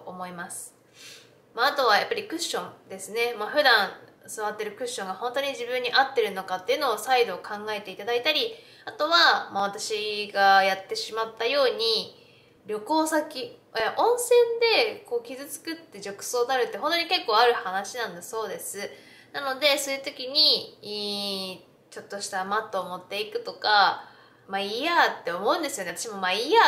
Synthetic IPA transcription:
oomo̞imasɨ̥ | maat̪o̞βaja̰pːaɾʲikɯ̟ɕːõ̞nd̪e̞sɨne̞maɸɯ̟d̪ãɴ̃sɨβat̪ːe̞ɾɯ̟kɯ̟ɕːõŋɡahõ̞nt̪o̞ɲ̟iʑibɯ̟̃ɲ̟ːiʔat̪ːe̞ɾɯ̟no̞kat̪ːe̞iɯ̟no̞ːsaid̪o̞ːkʰãŋɡae̞t̪e̞it̪ad̪ait̪aɾʲi | at̪o̞βamaβ̞at̪aɕiɡajat̪ːe̞ɕimat̪ːajo̞ːɲ̟i | ɾʲo̞ko̞ːsakʲieʔõ̞ɰ̃sẽ̞nd̪e̞ko̞ːkʲizɨt͡sɨ̥kɯ̟t̪ːe̞ʑo̞kɯ̟̥so̞ːd̪aɾɯ̟t̪ːe̞hɦõ̞t̪o̞ɲike̞kːo̞ːaɾɯ̟hanaɕinãnd̪aso̞ːd̪e̞sɨ | nano̞d̪e̞so̞jiɯ̟t̪o̞kʲiɲ̟i | t͡ɕo̞t̪ːo̞ɕi̥t̪amat̪ːo̞ːmo̞t̪ːe̞ikɯ̟t̪o̞ka | maijat̪ːe̞omo̞ɯ̟̃nd̪e̞sɨjoeat̪ḁɕimo̞maija

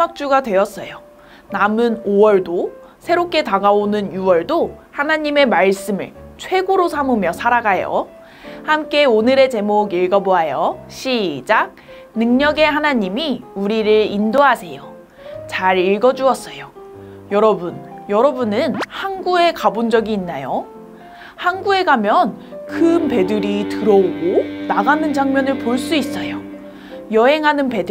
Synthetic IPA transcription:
mak̚t͡ɕ͈uɡadwe̞ʌs͈ʌjo | namɯnowʌɭdo | sʰe̞ɾop̚k͈e̞taɡaonɯnjuwʌɭdohanaɲime̞maɭs͈ɯmɯ̰ɭt͡ɕʰwe̞ɡoɾosʰamumjʌsʰaɾaɡajo̰ | hamk͈e̞onɯɾe̞t͡ɕe̞moɡiɭɡʌboajʌɕʰid͡ʑak̚ | nɯŋɲʌɡeɦanaɲimiuɾiɾɯɭindoɦasʰe̞jo | t͡ɕaɾiɭɡʌd͡ʑuʌs͈ʌjo | jʌɾʌbunjʌɾʌbunɯnhanɡue̞kabond͡ʑʌɡiːnːajo | hanɡue̞ɡamjʌnkʰɯmpe̞dɯɾitɯɾʌoɡonaɡanɯnd͡ʑaŋmjʌnɯɭpoɭs͈uis͈ʌjo | jʌɦe̞ŋɦanɯnpe̞dɯ

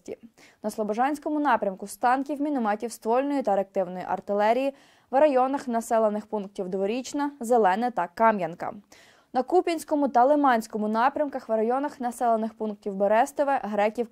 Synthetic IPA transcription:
tʲḭ | nɐslˠɔbɔʒɑnʲsʲkɔmʊnɑpɾʲɐmkʊst̪ɑnkʲiwmʲinɪmɑtʲiwst̪ʋɔlʲnɔjit̪ɐɾɐk̚t̪ɪwnɔjiʔɐ̰rt̪ɪlˠɛɾʲiji | ʋɾɐjɔnɐxnɐsɛlˠenɪxpunk̚tʲiwd̪ʋɔɾʲit͡ʃnɐzelˠɛnɛt̪ɐkɑmjɐnkɐ̰ | nɐkupʲinʲsʲkɔmʊt̪ɐlˠemɑnʲsʲkɔmʊnɑpɾʲɐmkɐxʋrɐjɔnɐxnɐsɛlˠenɪxpunk̚tʲiwbeɾɛst̪ɪʋɛɦɾɛkʲiw

